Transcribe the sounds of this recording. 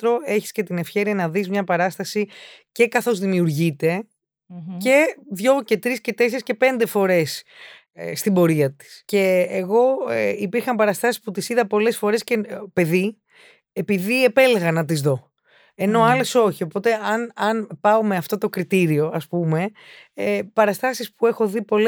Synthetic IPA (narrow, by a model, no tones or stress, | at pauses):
t̪ɾo̞e̞çi̥sce̞t̪ine̞fçe̞ɾiɐnɐðizmɲɐpɐɾɐst̪ɐsice̞kɐθo̞zðimiuɾʝit̪e̞ | ce̞ðʝo̞ce̞t̪ɾisce̞t̪ese̞ɾesce̞pe̞nd̪e̞fo̞ɾe̞s | st̪imbo̞ɾiɐt̪i̥sce̞ːɣo̞ipiɾxɐmpɐɾɐst̪ɐsi̥sput̪isiðɐpo̞le̞sfo̞ɾe̞sce̞pe̞ði | epiðiepe̞leɣɐnɐt̪̬izðo̞ | e̞no̞ɐle̞so̞çio̞po̞t̪e̞ɐnɐnpɐomeɐft̪o̞t̪o̞kɾit̪iɾio̞ɐspume̞ | pɐɾɐst̪ɐsispue̞xo̞ðipo̞l